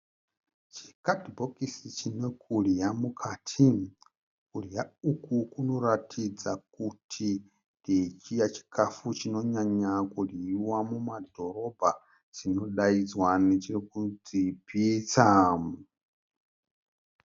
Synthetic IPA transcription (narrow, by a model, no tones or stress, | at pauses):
t͡ʃi̥katibɔkisit͡ʃʰinɛkuɺijamukʰatʰin | kuɺijaukukunoɾatʰid͡zakutʰi | ndit͡ʃijat͡ʃi̥kʰafut͡ʃinɔɲaɲakuiwamumad̪ɔɾɔba | t͡sinɔɗaid͡zwanit͡ʃiɾikud͡zipʰit͡sa